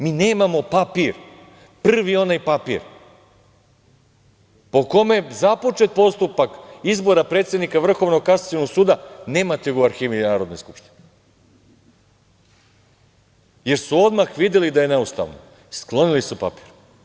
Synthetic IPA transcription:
miːne̞ːmamo̞papiɾ | pr̩ʋio̞najpapḭɾ | po̞ko̞me̞zapo̞t͡ʃe̞t̪̚po̞st̪upakizbo̞ɾapɾe̞ːt̪sjenikaʋr̩xo̞ʋnoɡkasat̪jonoɡsuːd̪ane̞ːmat̪eɡuaɾxiːʋinaːɾod̪nojskupʃt̪i̥ne | je̞ɾsuo̞d̪maxʋid̪je̞lid̪ajene̞ust̪a̰ʋno̰ | sklˠo̞nilisupapi̥ːɾ

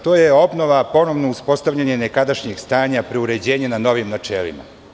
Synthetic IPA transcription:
t̪o̞ːjeo̞bno̞ʋapo̞no̞ʋno̞uspo̞st̪aʋʎʲaɲenekad̪aʃɲeɡst̪aːɲapɾeuɾe̞d͡ʑe̞ːɲenano̞ʋimnat͡ʃḛːlḭma̰

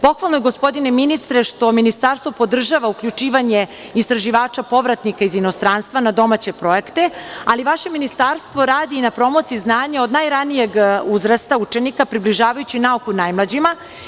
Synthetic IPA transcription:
po̞xʋalˠnojɡo̞spo̞d̪ineminist̪ɾeʃt̪o̞minist̪aɾst̪vo̞po̞d̪r̩ʒaʋaukʎut͡ʃiːʋaɲe̞ | ist̪ɾaʒiʋaːt͡ʃapo̞ʋɾat̪nikaizino̞st̪ɾaːnst̪ʋanad̪o̞mat͡ɕe̞pɾo̞ekt̪e̞aliʋaʃe̞minist̪aɾst̪ʋo̞ɾaːd̪iːnapɾo̞mo̞t̪siznaːɲao̞d̪najɾanijeɡuzɾast̪aut͡ʃe̞nikapɾibliʒaːʋajut͡ɕinaukunajmlˠad͡ʑima

